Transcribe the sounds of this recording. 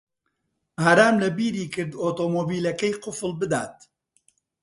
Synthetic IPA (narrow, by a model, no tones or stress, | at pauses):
haːɾaːmlɐbiːɾiːkɨɾd̪oːt̪omoːbiːlɐkɐjqʊfɨlˠbɨd̪aːt̪̚